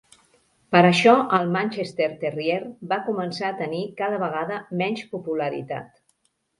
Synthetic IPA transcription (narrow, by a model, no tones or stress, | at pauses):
pəɾəʃɔəlˠmanʲt͡ʃest̪eɾt̪erieɾbakumənsaət̪ənikaðəβəɣ̞aðəmɛnʲspupuləɾḭt̪a̰t̪